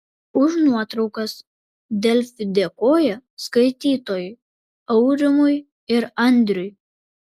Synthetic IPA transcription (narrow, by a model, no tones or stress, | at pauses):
ʊʒnuɔt̪ɾɒʊkɐs | d̪ʲɛlʲfʲɪd̪ʲɛkoːjɛskɐɪt̪ʲiːt̪oːjʊ | ɐʊɾʲɪmʊj | ɪɾɐnʲd̪ʲɾʲʊj